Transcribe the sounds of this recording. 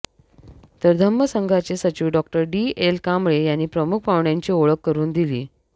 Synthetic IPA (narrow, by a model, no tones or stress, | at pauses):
t̪əɾd̪ʱəmːəsəŋɡʱat͡ɕesət͡ɕiːʋɖɔk̚ʈəɾɖielkamɭejanːiːpɾəmukʰpaʋɳjaɲt͡ɕiːoɭəkːəɾuːnd̪ilḭː